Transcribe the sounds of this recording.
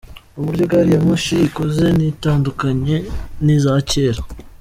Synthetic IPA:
uβuɾɟo̞ɡaɾijamoʃikoze̞nitaːndukaɲe̞nizace̞ːɾa

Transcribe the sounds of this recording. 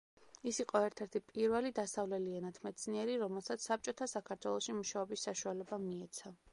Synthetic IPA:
isiqʼɔɛɾt̪ʰɛɾt̪ʰipʼiɾvɛlid̪asavlɛlianat̪ʰmɛt̪sʰniɛɾiɾɔmɛlˠsat̪ssːap̚t͡ʃʼɔt̪ʰasakʰaɾt̪ʰwɛlˠɔʃimuʃaɔbisːaʃualɛbamiɛt̪sʰa

